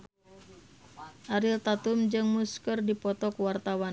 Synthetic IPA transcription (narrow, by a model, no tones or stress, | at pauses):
ʔaɾɪlt̪at̪umd͡ʒɨŋmuskərdipɔt̪ɔkwart̪awan